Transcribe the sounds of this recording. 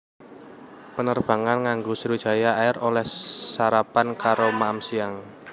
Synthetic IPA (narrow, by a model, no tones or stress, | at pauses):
pənərb̥a̤ŋanŋaŋɡosəɾud̥ʒ̥a̤jaaɪɾolɛhsaɾapankaɾomaʔamsiaŋ